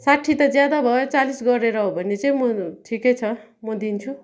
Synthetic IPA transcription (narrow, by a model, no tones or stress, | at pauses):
saʈʰːit̪ʌd͡zjad̪abʱʌjot͡salisɡʌɾeɾʌɦobʱʌnːet͡sʌĩmʌʈʰikʌjt͡sʰʌ | mʌd̪int͡sʰu